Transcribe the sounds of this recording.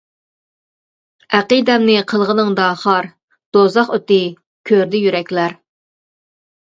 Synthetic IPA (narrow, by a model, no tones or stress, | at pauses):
æqid̪ɛmnɪqʰəlˠʁənɨŋd̪ɑχɑɾ | d̪̥ozɑχøt̪ɪ | kʲʰøɾd̪ɪjyɾɛkʲlæɾ